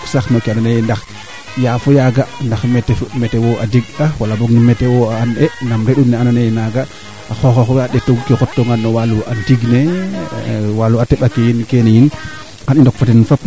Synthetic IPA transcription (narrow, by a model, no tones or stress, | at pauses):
saxnokeananejndax | jaːfɔjaɡandaxmɛtɛmɛtewoa̰diɡ̚awalaboɡnimɛtewoaːnɛnamɾeɗunnɛananejnaɡa | axɔxɔxɔwaɗɛtoɡkɛkɔtːɔŋɡanːɔwaluʔantiɡne | waluatɛɓakejinkenejin | anindɔk̚fatɛnfap